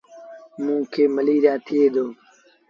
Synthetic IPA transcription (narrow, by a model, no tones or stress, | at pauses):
mũːkʰeːməliːɾjaːt̪ʰɪeːd̪oː